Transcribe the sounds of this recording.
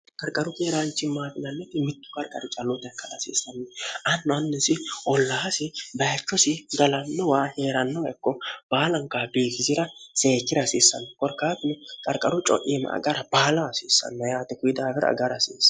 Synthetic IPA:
kʼɐɾkʼɐɾʊkeːɾaːnt͡ʃːɪmaːfɪnɐnːɛt̪ɪmɪt̪ːʊ̥kʼɐɾkʼɐɾɪt͡ʃʼɐlːʊt̪ɐkːɐlɐsḭːsːɐnːɛɐnːɐnːɛsɪʔɔlːaːsɪbɐjɐt͡ʃːɔsɪɡɐlɐnːɔwaːhe̞ːɾɐnːɔwɐkːɔb̥aːlɐŋkːabeːkɪzɪɾɐseːkːɪɾɐsiːsːɐ̰nːɛkʼɔɾkːaːt̪ɪnɛkʼɐɾkʼɐɾʊt͡ʃʼɔ̰ʔiːn̰ʔɐ̰ɡɐɾɐb̥aːlɐɐsiːsːɐ̰nːɐjaːt̪ɛkʊjɪd̪aːbɛɾ̰ɐ̰ɡɐɾɐsiːs

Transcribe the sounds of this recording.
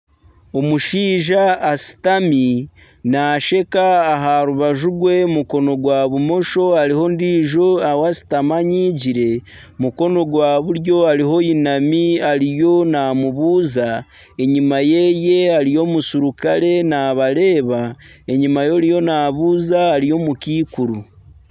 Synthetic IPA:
o̞muʃiːʒaːsi̥tami | naːʃe̞kaːɦaɾuβaʒuɡwe̞muko̞no̞ɡwaβumo̞ʃo̞aɾiho̞ndiːʒo̞awasi̥tamaɲiɟiɾe̞ | muko̞no̞ɡwaːβuɾjo̞aɾiɦo̞inamiaɾijo̞naːmuβuːza | e̞ɲimaje̞je̞aɾijo̞musuɾukaɾe̞naːβaɾe̞ːβa | e̞ɲimajo̞ɾijo̞naːβuːzaːɾijo̞mukiːkuɾu

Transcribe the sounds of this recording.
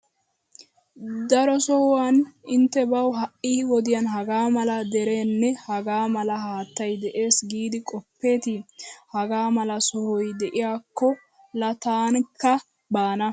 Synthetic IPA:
d̪ɐɾɔsɔwanɪnt̪ːɛbɐwɦɐʔːɪːwɔd̪ɪjanɦɐɡaːmɐlɐd̪ɛɾe̞ːnːɛhɐɡaːmɐlɐɦaːt̪ːɐjd̪ɛʔe̞ːsɡiːd̪ɪkʼɔpːe̞ːt̪ɪhɐɡaːmɐlɐsɔhɔjd̪ɛʔɪjaːkːɔ | lɐt̪aːnkːɐ | baːnɐ

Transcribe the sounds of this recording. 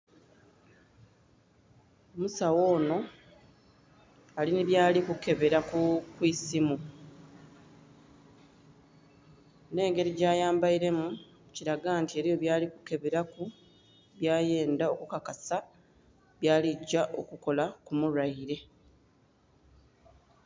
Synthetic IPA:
omusawo̞ːno̞ | aliniβjaːlikuke̞βe̞ɾakukwiːsimu | ne̞ːŋɡe̞ɾiɟaːjaːmbajiɾe̞mu | ciɾaɡaːntie̞ɾijo̞βjaːliku̥ke̞βe̞ɾaku | βjaːje̞ːndao̞kukakasa | βjaːliɟːaʔo̞kuko̞lakumuɾaiɾe̞

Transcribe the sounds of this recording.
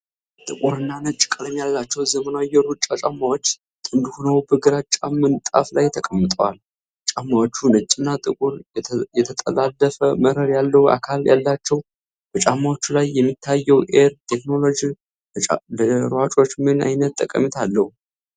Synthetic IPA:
t̪ʼɨkʼuɾɨnːanɨt͡ʃʼːkʼaləmjalːat͡ʃːɛwzəmənajːɛɾut͡ʃʼːat͡ʃʼamːawo̞t͡ʃː | t̪ʼɨnd̪hunəwbəɡɨɾat͡ʃʼamːɨnt̪ʼa̰flajt̪ʰəkʼəmːɨt̪ʼəwal | t͡ʃʼamːawot͡ʃːunɨt͡ʃʼːɨnːat̪ʼɨkʼuɾjɛt̪ʰət̪ʼə̰lalːəfəməɾəɾjalːəhwʔa̰kʰalja̰lːat͡ʃːɛw | b̥ət͡ʃʼamːawot͡ʃːulajːɛmːit̪ʰːajːɛwʔeɾt̪ʰe̞kno̞lo̞d͡ʒi | ləɾwat͡ʃʼo̞t͡ʃːmɨna̰jnət̪̚ʰʼːəkʼə̰mɨt̪ʰalːəhu

